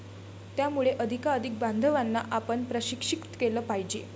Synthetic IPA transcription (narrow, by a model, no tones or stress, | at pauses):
t̪jamuɭeʔəd̪ʱikaəd̪ʱik̚band̪ʱəʋanːa̰ʔapəɳpɾəɕikʂikt̪keləːpaɦid͡ʑe